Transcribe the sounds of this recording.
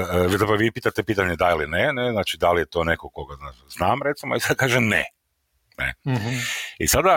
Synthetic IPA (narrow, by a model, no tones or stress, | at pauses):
əʋizapɾoʋipiːt̪at̪epiːt̪aɲed̪ailineneznaːt͡ʃid̪alijet̪o̞nekokoɡaznaznaːmɾet̪simoisad̪̚kaːʒemnḛ | nḛ | isad̪a